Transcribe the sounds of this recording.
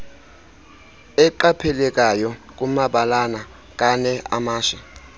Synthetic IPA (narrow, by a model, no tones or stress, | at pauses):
ɛǃapʰɛlɛkʼajɔk̬ʼumaɓalana | k̬ʼanɛa̰maːʃɛ